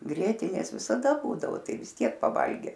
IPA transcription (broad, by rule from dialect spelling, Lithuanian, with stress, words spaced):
ˈɡrʲiɛtʲɪnʲeːs ʋʲɪsɐˈdɐ ˈbuːdɐʋoː ˈtɐɪ ʋʲɪs ˈtʲiɛk pɐˈʋɐlʲɡʲɛ